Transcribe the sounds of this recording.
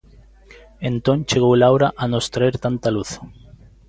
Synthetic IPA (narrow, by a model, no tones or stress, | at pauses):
ent̪õnt͡ʃeɣowlawɾaʔanost̪ɾaeɾt̪ant̪aluθ